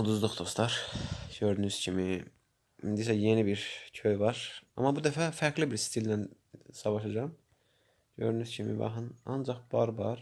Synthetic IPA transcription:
ud̪uzd̪uχd̪ost̪ɑɾ̥ɟ̥øɾd̪ynyz̥cʰimi | ḭnd̪isæje̞nibiɾcʰøjvɑɾɑ̰mːɑbud̪æfæfæɾɡlibiɾsi̥t̪ʰild̪æn | sɑvɑʃɑd͡ʒɑm | ɟ̥ø̰ɾd̪ynyzcʰimḭbɑ̰xɯnɑ̰nd͡ʒɑχb̥ɑɾbɑɾ

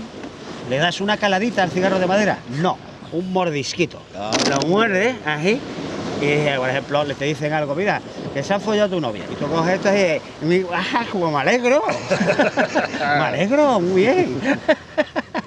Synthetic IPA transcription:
le̞ðasunakalaðit̪aːlθiɣaroð̞e̞maðe̞ɾa̰nõ | uŋmo̞ɾðiskit̪o̰nomweɾðeasiipoɾehe̞mplolet̪eðiθe̞ŋalɣomiɾake̞seaɱfoʝawt̪̬uno̰βja̰it̪ukoɦeet̪osie | miahakomomaleɣɾo | maleɣɾomuβjeŋ

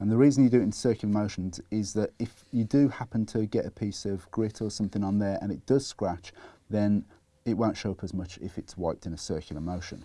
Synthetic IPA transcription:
ə̃nðəɹiːzə̃njədəɪ̃nsɜˑkjəl̩ˠəmoʊʃə̃nzɪzðətɪfjədəhapə̃ntʰəɡɛtəpʰiˑsəvɡɹɪtʰəsʌ̃mθɪ̃ŋə̃nðəɹə̰̃nɪʔ̚d̥ʌz̥skɹat͡ʃðə̃n | ɪʔwõʊ̃ntʃoʊpʰəzmʊt͡ʃɪ̰fɪtswaɪp̚tɪ̃nəsɜˑkʰjəl̩ˠəmoʊʃə̰̃n

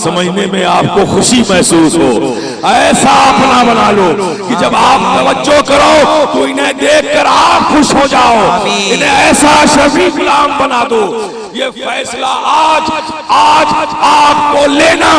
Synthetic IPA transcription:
sɐməd͡ʒnemẽaːp̚koxʊʃimɐɦsuːsɦo̰ː | ɛːsaɐpnabɐnaːloː | kid͡ʒɐbaːp̚t̪ɐʋəd͡ʒːokɐɾoːt̪oɪnɦẽd̪eːkʰkəɾaːpxʊʃɦod͡ʒaːoɪnẽɛːsaʃɐʋiɡʊlaːmbɐnaːd̪o | jeːfʰɛːslaʔaːd͡ʒ | aːd͡ʒaːp̚koleːna

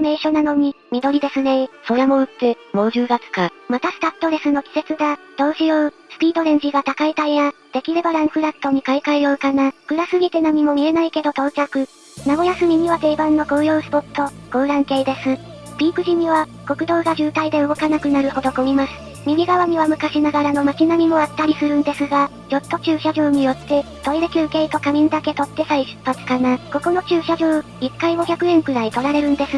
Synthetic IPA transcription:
me̞ːɕo̞nano̞ɲ̟imʲid̪o̞ɾʲid̪e̞sɨne̞so̞ɾamo̞ɯ̟t̪ːe̞ | mo̞ːʑɨːɡat͡sɨ̥kamat̪asɨ̥t̪at̪ːo̞ɾe̞sɨno̞kʲi̥se̞t͡sɨd̪ad̪̥o̞ːʑijo̞ɯ | sɨ̥pʲiːd̪o̞ɾẽ̞ɲ̟d͡ʑiɡat̪akait̪aijad̪̥e̞kʲiɾe̞baɾãɰ̃ɸɯ̟ɾat̪ːo̞ɲ̟ikaikaijo̞ɯ̟kanakɯ̟ɾasɨɡʲit̪e̞namʲimo̞mʲie̞naike̞d̪o̞t̪o̞ːt͡ɕakɯ̟ | naɡo̞jasɨmʲiɲ̟ʲiβat̪e̞ibãnːo̞ɡo̞ːjo̞ːɯsɨ̥po̞t̪ʰːo̞ɡ̥o̞ːɾãŋke̞id̪e̞sɨ | bʲiːkɯ̟ʑim̟iβ̞a | ko̞kɯ̟d̪o̞ːɡaʑɨːt̪aid̪e̞ɯ̟ɡo̞kanakɯ̟naɾɯ̟ho̞d̪o̞komʲimasɨ̥ | mʲimʲiɡaβaɲ̟iβamɯ̟kaɕinaɡaɾano̞mat͡ɕinamʲimo̞at̪ːaɾʲisɨɾɯ̟̃nd̪e̞sɨɡa | ɾo̞t̪ːo̞t͡ɕɨːɕaʑo̞ːɲ̟ijo̞t̪ːe̞t̪o̞iɾekʲɨːke̞ːit̪o̞kamʲĩnd̪ake̞t̪o̞t̪ːe̞saiɕɨ̥pːat͡sɨ̥kanako̞ko̞no̞t͡ɕɨːɕaʑo̞ː | ikːaiɡo̞çʲakɯ̟ẽ̞ŋkɯ̟ɾait̪o̞ɾaɾe̞ɾɯ̟̃nd̪e̞sɨ

